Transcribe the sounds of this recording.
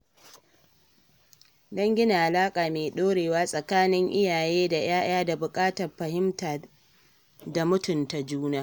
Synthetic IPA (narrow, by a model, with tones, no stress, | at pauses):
dɔ˦ŋɡʲɪ˦na˨ʔa˨laː˦kʼaː˨meː˨ɗoː˦ɽeː˨waː˦sʼɐ˨kaː˦nɪ˦ŋʔɪ˦jaː˨jeː˦da˨j̰aː˦ʔaː˦da˨bʊ˨kʼaː˦tɐ˨rɸɐ˨hɪ˦mtaː˨ | da˨mʊ˦tʊ˨nta˨d͡ʒuː˦naː˦